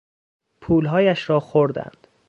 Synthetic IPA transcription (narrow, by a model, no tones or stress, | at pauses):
pʰuːlɦɒːjæʃɾɒːxoɾd̪æ̰nd̪̥